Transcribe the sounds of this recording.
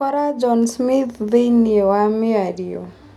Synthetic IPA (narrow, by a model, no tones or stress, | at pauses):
kʌɾad͡zʌnsmit̪d̪əjnewameaɾijo̰